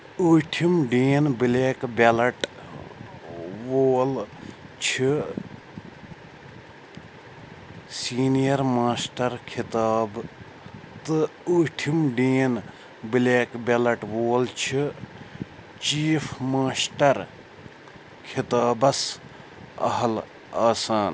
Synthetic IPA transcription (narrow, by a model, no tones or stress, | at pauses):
uːʈʰimɖiːnbileːkbelɐʈ | ʋoːlt͡ʃʰi | siːnijɐɾmaːsʈɐɾkʰɪt̪aːb | t̪ɨuːʈʰimɖĩːn | bileːkbʲelɐʈʋoːlt͡ʃʰi | t͡ʃiːfʰmaːsʈɐɾ | kʰit̪aːbɐs | ɐ̰ɦɐl | aːsaːn